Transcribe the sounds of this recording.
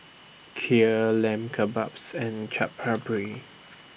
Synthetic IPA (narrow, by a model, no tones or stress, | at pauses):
kʰiəlɛ̃mkʰabapsɛ̃nt͡ʃʰap̚habəɹi